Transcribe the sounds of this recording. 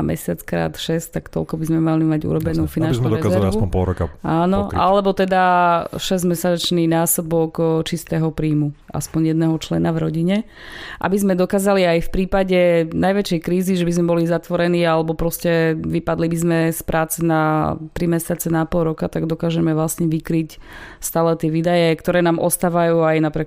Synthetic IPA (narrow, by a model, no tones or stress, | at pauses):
mʔɛ̰sɪat͡skɾa̰ːt̪ʃɛst̪akt̪ɔ̰lkɔbizmɛmalimaɟṵɾɔbɛnuːfinant͡ʃzud̪ɔɾɛzɛlɾaʋsupɔ̃pɔlɾɔkaaːnɔʔa̰lɛbɔt̪ɛd̪aʃɛzmɛsat͡ʃniːnaːsɔbɔkt͡ʃist̪ɛɦɔpɾiːmuʔa̰spɔɲjɛd̪nɛɦɔt͡ʃlɛnavɾɔɟiɲɛ | ʔa̰bizmɛd̪ɔkaːzaliajfpɾiːpaɟɛnajʋɛt͡ʃɛjkɾiːziʒɛbizmɛbɔlizat̪ʋɔɾɛniːalɛbɔpɾɔscɛʋipad̪libizmɛspɾʔaːt͡sɛnat̪ɾimɛsat͡sɛnapɔlɾɔkat̪aɡd̪ɔkaːʒɛmɛʋlasɲɛʋikɾicst̪aːlɛt̪ɪɛʋiːd̪ajɛkt̪ɔɾɛːnaːmʔɔst̪aːʋajuːajnapɾɪɛk